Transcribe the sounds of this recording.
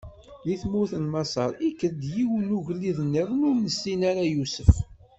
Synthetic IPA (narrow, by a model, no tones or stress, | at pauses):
liθmʊθənmɑsˤɑ̰ɾˤikːəðd̪jiwənuʝlːiðənːiðˤnʊɾnəsːinaɾajusəf